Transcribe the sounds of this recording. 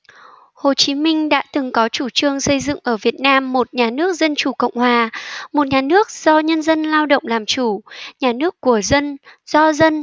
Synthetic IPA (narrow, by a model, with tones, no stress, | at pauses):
ho˨˩t͡ɕi˨˦mï˧ŋ̟ɗa̰ː˧˥t̪ɨ˨˩ŋkɔ˨˦t͡ɕu˧˩t͡ɕɨ˧əŋsə˧jzɨ̰˧˨ŋʔəː˧˩vi˨˩ət̚naː˧mːo˨˩t̚ɲaː˨˩nɨ˦˥ək̚zə˧nt͡ɕu˧˩kə̰˧˨wŋ͡mhwaː˨˩mo˨˩t̚ɲaː˨˩nɨ˦˥ək̚z̥ɔ˧ɲə˧nzə˧nlaː˧wɗə̰˧˨wŋ͡mlaː˨˩mt͡ɕu˧˩ɲaː˨˩nɨ˦˥əkːu˧˩əzə˧nz̥ɔ˧zə˧n